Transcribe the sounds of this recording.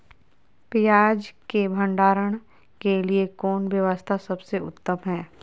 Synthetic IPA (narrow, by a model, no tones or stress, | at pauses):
pijaːd͡ʒkebʱə̃ɳɖaːɾəɽ̃ | keliekɔːnʋjəʋəst̪ʰasɐbseʊ̰t̪ːəmɦɛː